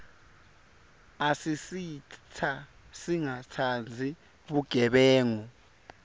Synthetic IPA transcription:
asisit͡sʰasiŋatʰand͡zʱi | ɓuɡ̥ʱɛɓɛːŋu

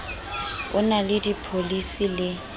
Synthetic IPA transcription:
ʊ̰nalɪdipʰolisilɪ

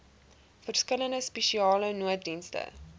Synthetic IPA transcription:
fərskələndəspɛʃiɑːlənuət̚dinstə̰

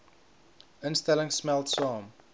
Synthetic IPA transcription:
ɪ̃nstɛlɪ̃ŋsmɛltsɑ̃ːm

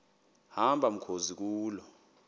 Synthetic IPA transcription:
hambʱam̩kʰozik̬uːlɔ

